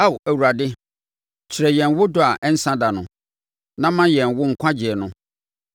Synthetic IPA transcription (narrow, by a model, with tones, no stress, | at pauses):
a˦˨wæ˨wu˨ɾa˨dɪ˦ | t͡ɕʰɪ˨ɾɛ˨jɛ̃˨n˦wʊ˦dʊ˦a˨ʔɛ˦n̩˦sã˦da˨nʊ̃˨ | nã˦mã˦jɛ̃˨n˨wʊ˦ŋ̩˨kʷʰã˦d͡ʑɪ˨ɛ˨nʊ̃˦